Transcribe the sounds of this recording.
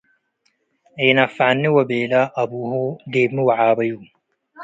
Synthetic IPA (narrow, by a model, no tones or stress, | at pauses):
iːnɐfanːiwɐbeːlaʔɐbuːhod̪eːbmiwaʕaːbɐjuː